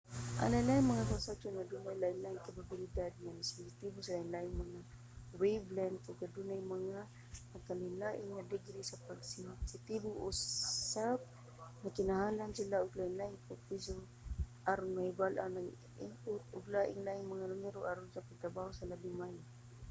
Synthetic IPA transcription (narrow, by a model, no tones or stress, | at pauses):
ʔa̰ŋlajlaɪŋmaŋakasat͡ʃonŋad̪unajlaɪnlaʔɪŋkababɪlɪd̪ad̪̚ŋanasɪnsɪt̪ibʊsalaɪnlaʔɪŋmaŋa | wejblant̪ʊɡad̪unajmaŋa | akalɪnlaʔɪŋŋad̪ɪɡɾisapaɡsɪnsɪt̪ibʊʔʊssap̚ | nakɪnahaːlansilaʊɡlaʔɪnlaʔɪŋkʊpiso | ʔaɾʊnmahɪbalʔa̰naŋ | ʔɪ̰mpʊt̪ʊɡlaːʔɪŋlaʔɪŋmaŋalʊmɛɾoʔaɾʊnsapaɡ̚t̪ɾabaːhosalabɪŋmaja